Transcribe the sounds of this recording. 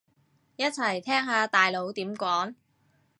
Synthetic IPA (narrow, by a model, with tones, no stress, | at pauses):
jɐ˥t̚t͡sʰɐ˨˩jt̪ʰɛː˥ŋɦaː˨˧t̪aː˨jlo˨˥wt̪iː˨˥mkʷɔː˨˥ŋ